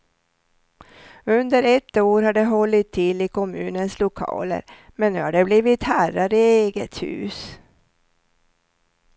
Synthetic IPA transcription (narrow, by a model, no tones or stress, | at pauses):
ɵnd̪əɾɛt̪ːoːɾhaɖɛɦɔlːɪt̪ʰːɪlːɪkʰɔmʉ̟ːnənslʊkʰɑ̰ːlə̰ɾmɛnːʉːhaɖɛbliːvɪt̪hæɾaɾɪeːɡət̪hʉ̟̰ːs